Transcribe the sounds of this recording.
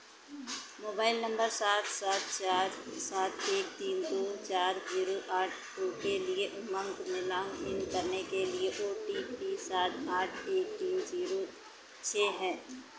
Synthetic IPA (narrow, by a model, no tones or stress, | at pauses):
moːbaːɪlnɐ̃mbəɾsaːt̪ʰsaːt̪̚ʰt͡ʃaːɾsaːt̪ʰeːk̚t̪iːnd̪oːt͡ʃaːɾziːɾoʔaːʈ̚ʰʈoːkelie | mɐ̃ŋɡmɪlaːmɪnkɐɾnekelieʔoːʈiːpisaːt̪ʰaːʈʰeːk̚t̪iːnziːɾo | t͡ʃʰeːɦɛ̃ː